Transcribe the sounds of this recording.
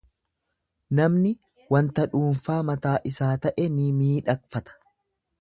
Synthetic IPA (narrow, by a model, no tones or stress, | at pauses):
nɐmnɪ | wɐnt̪ɐᶑuːnfaːmɐt̪aːʔɪsaːt̪ɐʔɛnimiːᶑɐkfɐt̪ɐ̥